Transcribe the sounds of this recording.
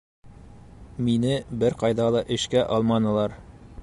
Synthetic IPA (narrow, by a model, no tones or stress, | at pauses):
minɘbɘɾqɑjðɑlˠɤʔɘ̆ʃkæʔɒlˠmɑnɤ̆lˠɑɾ